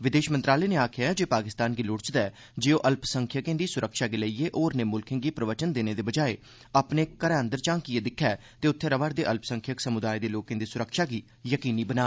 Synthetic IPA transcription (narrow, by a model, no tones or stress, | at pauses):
ʋɪd̪eːʃmənt̪ɾaːleːneːaːkʰɪaːɛːd͡ʒeːpaːkɪst̪aːnɡiːlʊɽt͡ʃd̪ɛː | d͡ʒeːoːʔəlpsəŋkʰjəkẽːd̪iːsʊɾəkʃaːɡeːləieːʔoːɾneːmʊlkʰɪ̃ŋɡiːpɾəʋət͡ʃənd̪eːneːd̪eːbəd͡ʒaːeː | aːpneːkəɾɛːənd̪əɾt͡ʃãːŋkiːeːd̪ɪkʰːɛː | t̪eːʊt̪ʰːeːɾəʋəːɾd̪eːʔəlpsə̃ŋkʰjəksəmʊd̪aːid̪eːloːkẽːd̪iːsʊɾəkʃaːɡiː | jəkiːniːbənaː